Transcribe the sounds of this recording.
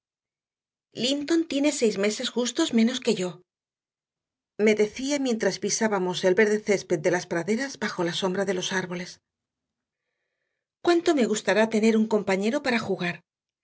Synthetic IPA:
lint̪o̞nt̪je̞ne̞se̞jzme̞se̞sxust̪o̞zmẽ̞no̞ske̞ʝo̞ | me̞ðe̞θiamje̞nt̪ɾaszpisaβamo̞se̞lβe̞ɾðe̞θe̞spe̞t̪̚d̪e̞laspɾaðe̞ɾazbaxo̞laso̞mbɾaðe̞lo̞saɾβo̞le̞s | kwant̪o̞me̞ɣ̞ust̪aɾat̪e̞ne̞ɾuŋko̞mpaɲe̞ɾo̞paɾaxuɣaɾ

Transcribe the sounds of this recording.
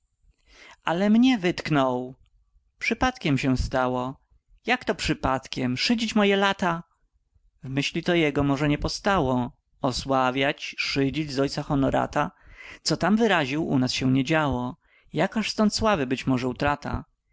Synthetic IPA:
ʔalɛmɲɛvɘt̪knɔw | pʂɘpat̪kʲɛmɕɛ̃st̪awɔ | jakt̪ɔpʂɘpat̪kʲɛmʂɘd͡ʑit͡ɕmɔjɛlat̪a | vmɘɕlʲit̪ɔjɛɡɔmɔʐɛɲɛpɔst̪awɔ | ɔswavʲjat͡ɕʂɘd͡ʑid͡ʑzɔjt̪saxɔnɔɾa̰t̪at̪sɔt̪amvɘɾaʑiwṵnasɕɛɲɛd͡ʑawɔ | jakaʂst̪ɔnt̪swavɘbɘt͡ɕmɔʐɛut̪ɾat̪a̰

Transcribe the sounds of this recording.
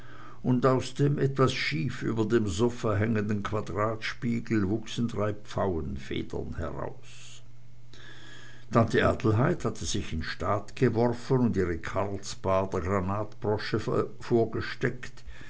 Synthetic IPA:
ʔʊndaʊsd̥eːmʔɛtv̥asʃiːfʔy̰ːbɐdeːmzʊfɐɦɛŋəndn̩kʰv̥adʁaːtʃpiːɡl̩vʊksn̩dʁaɪpp͡faʊənfḛːdɐ̰nhɛ̰ʁa̰ʊs | d̥ʰantiʔa̰ːtl̩ɦaɪthatʰəzɪçɪnʃtaːtɡ̥əvɔʁfənʊndiːʁəkʰaʁlsb̥aːd̥eːɐɡʁanaːtb̥ʁɔʃə | foːɐɡəʃtɛkt

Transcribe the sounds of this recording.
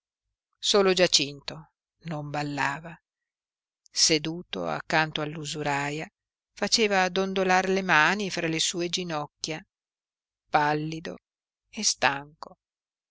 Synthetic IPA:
soːlod͡ʒat͡ʃint̪o | nombalːaːva | sed̪uːt̪o̰a̰kːant̪oalːuzuɾaːja | fat͡ʃeːvaːd̪ond̪olarlemaːnifɾalesuːed͡ʒinɔkːja | palːid̪o̰ | est̪aŋko

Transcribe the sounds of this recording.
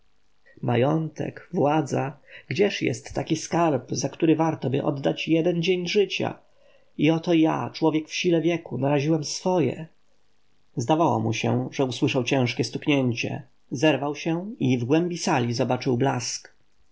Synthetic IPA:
ma̰jɔnt̪ɛ̰kvwad̪zaɡd͡ʑɛʂjɛ̰st̪ːakʲiskaɾpzakt̪uɾɘvaɾt̪ɔbɘʔɔ̰d̪ːat͡ɕjɛd̪ɛnd͡ʑeɲʐɘt͡ɕa̰ | iɔt̪ɔja̰t͡ʂwɔvʲjɛkfɕilɛvʲjɛkunaɾaʑiwɛmsfɔjɛ̰ | zd̪avawɔ̰muɕɛ̰ʐɛuswɘʂawt͡ɕɛ̃ʂkʲɛst̪ukɲɛɲt͡ɕɛ̰ | zɛɾvawɕɛivɡwɛmbʲisalʲizɔbat͡ʂɘwblask

